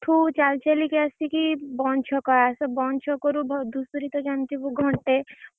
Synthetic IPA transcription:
ʈʰut͡ʃalt͡ʃelikɛasikibɔnt͡ʃʰɔkɔasɔbɔnt͡ʃʰɔkɔɾubʱɔd̪usuɾit̪ɔd͡ʒant̪ibuɡʱɔɳʈe

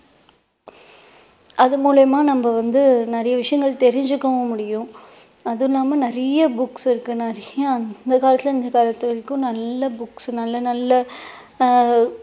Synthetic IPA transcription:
ʔɐðɯmuːlɐjmaːnɐmbɐʋɐnd̪ɯnɐɾɐjɐʋɪʂɐjɐŋɡɐɭt̪ɛɾɪɲd͡ʒɯkːɐʋʊ̃mʊɽɪjʊ̃ | ɐðɯlːaːmɐnɪɾɐjɐbʊksɪɾɯkːɯnɐɾɐjɐɐnd̪ɐkaːlɐt̪ːɪlɐɪnd̪ɐkaːlɐt̪ːɯɪɾkːɯ̃nɐlːɐbʊksnɐlːɐnɐlːɐ

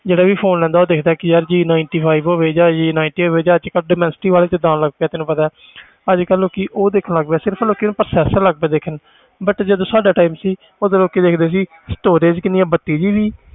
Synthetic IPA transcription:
d͡ʒeːɽaːʋiːpʰoːnlɛ̃ːnd̪aːoːd̪eːkʰd̪aːkɪjəɾd͡ʒiːnaːɪɳʈiːpʰaːibɦoːʋeːd͡ʒaːd͡ʒiːnaːɪɳʈiːoʋeːd͡ʒaːəd͡ʒkəlɖɪːmɛ̃nsɪ̥ʈiːʋaːleːt͡ʃd̪ãːnləɡ̚peaːt̪ɪnũːpət̪aː | əd͡ʒkəlːoːkiʔoːd̪eːkʰənləɡbeːsɪɾəpʰloːkeːnũːpɾəsɛːsəɾləɡ̚beːd̪eːkʰən | bəʈd͡ʒəd̪õːsaːɖaːʈaːiːmsiː | oːd̪eloːkeːd̪eːkʰd̪eːs̬iː | sʈoːɾeːd͡ʒkɪnɪjãːbət̪ːiːd͡ʒiːʋiː

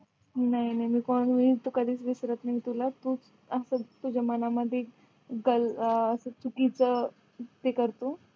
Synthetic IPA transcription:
nainaɦimiːkɔɳmiːt̪ukad̪ʱiːt͡sʋisɾət̪nəit̪ulat̪ut͡s | əsət̪ud͡ʑəmanaməd̪ʱːje | ɡələsət͡sukit͡sə | t̪ekəɾt̪o

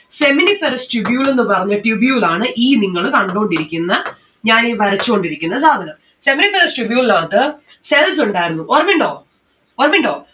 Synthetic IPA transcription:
se̞minifeɾɐsʈibjuːle̞nːɨpɐrɐɲːɐʈibjuːlaːɳɨʔiːniŋːɐɭkɐɳɖuoɳɖiɾikʲːunːɐ | ɲaːneʋɐɾɐt͡ɕːuko̞ɳɖiɾikʲːunːɐs̬aːd̪ʱɐnɐm | se̞minifeɾɐsʈibjuːlaːt̪ːɨ | sels̬uɳɖaːjɾunːuʔorɐmiɳɖoː | orɐmiɳɖoː

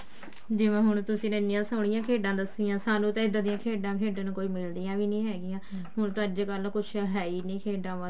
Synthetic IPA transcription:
d͡ʒɪʋãːɦʊɳ̃t̪ʊsĩːnənɪjãːsəːɽɪjãːkʰeːɖãːd̪əsɪjãːsaːnũːt̪ãːɪd̪aːd̪ɪjãːkʰeːɖãːkʰeːɖãːnːkoːiːmɪld̪ijãːʋiːnĩːɦɛːɡɪjãː | ɦʊɳt̪oəd͡ʒkəlkʊt͡ʃʰɦɛːiːnĩːkʰeːɖãːʋə

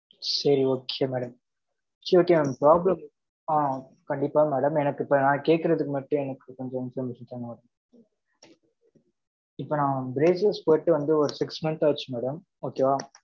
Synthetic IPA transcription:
sɐɾioːkːɪjɐmɛːɽɐm | t͡ʃːioːkːeːnpɾaːblɐm | a | kɐɳɖɪpːaːmæːɽɐmɛnɐkːɯɪpːɐnãːkeːʈ̚kːɯɾɐðɯkːɯmɐʈːɯ̃ɛnɐkːɯkɔɲd͡ʒɔnsɐmɪsɐt̪ːaːŋɡɐmːɽ | ɪpːoːnãːbɾeːsɐspoːjʈːɯʋɐnd̪ɯɔɾɯsɪksmɐnt̪aːt͡ʃːɯmɛːɽɐm | oːkeːʋaː

